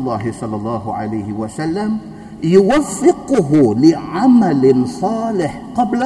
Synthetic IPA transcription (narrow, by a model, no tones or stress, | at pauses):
lˤːɑːɦɪsˤɑlːɑlˤːɑːɦʊʕa̰lajhɪwasalːam | jʊwafːɪqʊɦʊlɪʕamalɪsˤɑːlɪħqɑbla